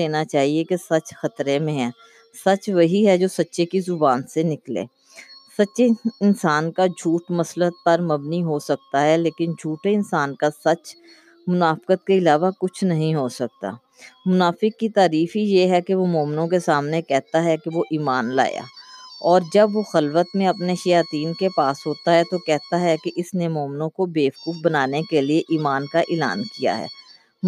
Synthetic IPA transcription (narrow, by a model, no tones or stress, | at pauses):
eːnat͡ʃaːɦiekesɐt͡ʃxɐt̪ɾemẽɦɛ̃ː | sɐt͡ʃʋɐɦiɦɛd͡ʒoːsɐtːʃekizʊbaːnsenɪklḛː | sɐtːʃeɪnsaːnkad͡ʒʱuːʈmɐslət̪̚pɐɾmɐbniɦosɐk̚t̪aɦɛleːkɪnd͡ʒʱuːʈeɪnsaːnkasɐt͡ʃ | mʊnaːfkət̪̚keɪlaːʋakʊt͡ʃʰnɐɦĩɦosɐk̚t̪a̰ː | mʊnaːfɪkːit̪aːɾiːfijeɦɛkeʋomoːmɪnõkesaːmnekɛɦt̪aɦɛkeʋoʔiːmaːnla̰ːja̰ːɔːɾd͡ʒɐbʋoxɐlʋət̪mẽɐpneʃɐjaːt̪iːnkepaːsɦoːt̪aɦɛt̪okɛɦt̪aɦɛkeʔɪsnemoːmɪnõkobeːfkuːk̚bɐnaːnekelieʔiːmaːnkaʔɪːla̰ːnkija̰ɦɛ̰ː